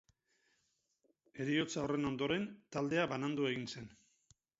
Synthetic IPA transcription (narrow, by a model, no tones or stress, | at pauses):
e̞ɾio̞t͡saore̞no̞nd̪o̞ɾe̞nt̪ald̪e̞aβanand̪ue̞ɣ̞inse̞n